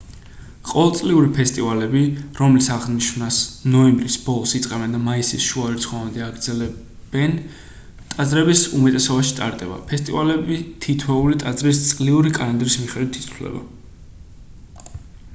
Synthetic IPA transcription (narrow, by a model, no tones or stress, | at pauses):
qʼɔvɛlˠt̪sʼliuɾipʰɛst̪ʼivalɛbiɾɔmlisaʁniʃvnasnɔɛmbɾisb̥ɔlˠɔsit̪sʼqʼɛbɛnd̪amaisḭsʃuaɾɛt̪sʰχɔvand̪ɛaɡɾd̪zɛlɛ | b̥ɛn | t̪ʼad̪zɾɛbisumɛt̪ʼɛsɔbaʃi̥t̪ʼa̰ɾt̪ʼɛba̰pʰɛst̪ʼivalɛbit̪ʰit̪ʰwɛulit̪ʼad̪zɾist̪sʼliuɾikʼanand̪ɾismiχɛd̪it̪ʰi̥t̪ʰlɛ̰ba̰